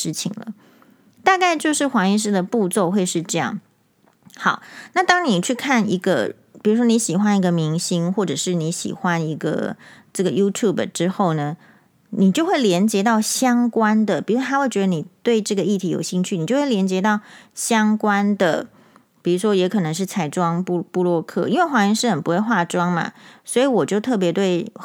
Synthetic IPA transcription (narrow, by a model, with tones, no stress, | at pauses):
ʂɻ̩˥˩t͡ɕʰḭ˨˩ŋlə̰˩ | t̪a˥˧ka˥˧ɪt͡ɕjo˥˧ʊʂɻ̩˥˩xwɑ˧˥ŋi˥˧ʂ̬ɻ̩˥˩d̪ə˨pu˥˧t͡so˥˧ʊxwe˥˧ɪʂɻ̩˥˧ʈ͡ʂɤ˥˧jɑ̰˥˩ŋ | xɑ˨˩ʊna˥˩t̪ɑ˥ŋni˨˩t͡ɕʰy˥˧kʰa˥˩ni˧˥ɡə̰˧ | pi˨˩u˧˥ʂ̬wɔ˥ni˧˥ɕi˨˩xwa˦ni˧˥ɡə˧mi˧˥ŋɕi˥ŋxwɔ˥˩ʈ͡ʂɤ˨˩ʂɻ̩˥˩ni˧˥ɕḭ˨˩xwa˦ni˧˥ɡə̰˧˩ʈ͡ʂɤ˥˩ɡə˩ju˥t̪ʰju˥˩bə˨˩ʈ͡ʂɻ̩˥xo˥˩ʊnə˩ | ni˨˩t͡ɕjo˥˧ʊxwe˥˩ɪljɛ˧˥nt͡ɕjɛ˧˥t̪ɑ˥˩ʊɕjɑ˥ŋkwa˥nd̪ə˨pi˨˩u˧˦˥t̪ʰa˥we˥˩t͡ɕɥɛ˧˥d̪ə˧ni˨˩t̪we˥˧ɪʈ͡ʂɤ˥˩ɡə˩i˥˩t̪ʰi˧˥jo˨˩ʊɕi˥˧ŋt͡ɕʰy˥˩ni˨˩t͡ɕjo˥˧ʊwe˥˩˨ljɛ˧˥nt͡ɕjɛ˧˥t̪ɑ˥˩ʊɕjɑ˥ŋkwa˥nd̪ə̰˨ | pi˨˩u˧˥ʂwɔ˥jɛ˧˥kʰɤ˨˩nɤ˧˦ŋʂ̬ɻ̩˥˩t͡sʰa˧˥ɪʈ͡ʂwɑ˥ŋpu˥˧pu˥˧lwɔ˥˧kʰɤ̰˥˩i˥nwe˥˩ɪxwa˧˥ŋi˧˥ŋʂɻ̩˥˩xə˨˩npu˦xwe˥˧ɪxwa˥˩ʈ͡ʂwɑ˥ŋma̰˨swɔ˧˥i˧˦wɔ˨˩t͡ɕjo˥˧ʊt̪ʰɤ˥˩p̬jɛ˧˥t̪we˥˩ɪ